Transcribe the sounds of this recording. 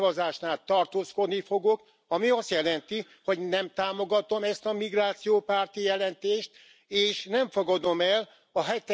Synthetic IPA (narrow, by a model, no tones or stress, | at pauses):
vɒzaːʃnaːlt̪ɒrt̪oːsko̞d̪nifo̞ɡo̞k | ɒmiɒst̪jɛlɛnt̪i | ho̞ɟnɛmt̪aːmo̞ɡɒt̪o̞mɛst̪ɒmiɡraːt̪sijoːpaːrt̪ijɛlɛnt̪eːʃt̪ | eːʃnɛɱfoɡɒd̪o̞mɛl | ɒɦɛt̪